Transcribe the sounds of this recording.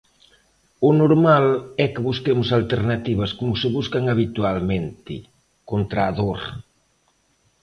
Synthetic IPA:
ʊnoɾmalɛkɪβuskemʊsalt̪eɾnat̪iβ̞ɐskomʊsɪβuskaŋaβ̞it̪ualmẽnt̪ɪ̰ | kont̪ɾaːðoɾ

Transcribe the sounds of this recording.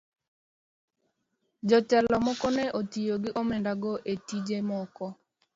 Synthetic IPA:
d͡ʒɔtɛlɔmɔkɔnɛʔotijoɡɪʔomɛndaɡɔʔetid͡ʒemɔkɔ

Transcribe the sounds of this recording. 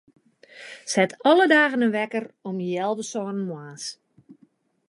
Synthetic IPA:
sɛtʰɔlədaːɣənənʋɛkərɔmjɛlˠʋəsɔːnənmwaːs

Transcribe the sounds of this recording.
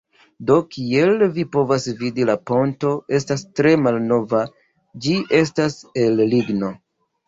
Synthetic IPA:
do̞kielvipo̞vasvidilapo̞nto̞ʔe̞stastɾe̞malno̞va | d͡ʒiʔe̞stase̞lliɡno̞

